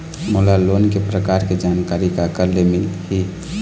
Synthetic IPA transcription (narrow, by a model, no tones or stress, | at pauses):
molalonkepɾəkaɾked͡ʒankaɾikakəɾlemɪlhi